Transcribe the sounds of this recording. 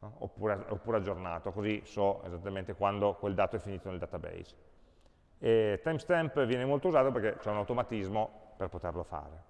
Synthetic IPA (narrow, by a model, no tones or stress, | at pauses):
o̰pːuːɾeao̰pːuːɾead͡ʒːorna̰ːt̪okozisɔḛzat̪ːament̪ekwand̪okweld̪aːt̪oɛfːiniːt̪oneld̪at̪abḛjz | et̪ːajmst̪ɛmpvjɛːnemolt̪ouzaːt̪operket͡ʃɛunawt̪omat̪izmoperpot̪erlofa̰ːɾe